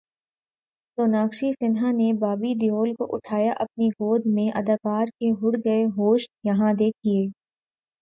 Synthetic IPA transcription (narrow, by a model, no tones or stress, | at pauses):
soːnaːkʃisɪnɦanebaːbid̪ɪjoːlkoʔʊʈʰaːjaʔɐp̚niɡoːd̪ʱmẽʔɐd̪əkaːɾkeɦʊɽɡɐeɦoːʃjɐɦãd̪eːkʰieː